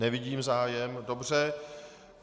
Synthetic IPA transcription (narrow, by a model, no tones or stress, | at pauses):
nɛvɪɟiːmzaːjɛmdo̞br̝ɛ